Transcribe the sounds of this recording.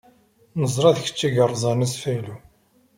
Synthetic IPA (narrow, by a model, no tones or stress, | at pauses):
nəzˤɾˤɑðçə̥t͡ʃːiɡərˤzˤɑnæsfælu